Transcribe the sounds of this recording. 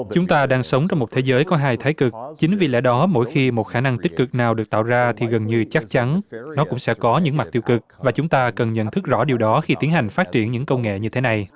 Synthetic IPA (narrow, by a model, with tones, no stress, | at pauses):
t͡ɕʊ˨˦ŋ͡mt̪aː˧ɗaː˧ŋsə˨˦wŋ͡mt͡ɕa˧wŋ͡mmo˨˩t̚t̪ʰe˨˦zəː˨˦jkɔ˨˦ɦaː˧jt̪ʰaː˨˦jkɨ˨˩k̚t͡ɕï˨˦ŋ̟vḭ˧˩lɛ̰˧˥ɗɔ˨˦mo̰˧˥jxi˧mo˨˩t̚xaː˧˩na˧ŋt̪i̟˦˥kɨ˨˩k̚naː˨˩wɗɨ˨˩ək̚t̪a̰ː˧˨wzaː˧t̪ʰi˨˩ɣə˨˩nɲɨ˧t͡ɕa˦˥k̚t͡ɕa˨˦nnɔ˨˦kʊ̰˧˥ŋ͡msɛ̰˧˥kɔ˨˦ɲɨ̰˧˥ŋm˨˩t̚t̪i˧əwkɨ˨˩k̚vaː˨˩t͡ɕʊ˨˦ŋ͡mt̪aː˧kə˨˩nɲə̰˧˨nt̪ʰɨ˦˥k̚zɔ̰˧˥ɗi˨˩əwɗɔ˨˦xi˧t̪i˨˦ənɦa˨˩jŋ̟faː˦˥t̚t͡ɕi˧˩ənɲɨ̰˧˥ŋkə˧wŋḛ˧˨ɲɨ˧t̪ʰe˨˦na˨˩j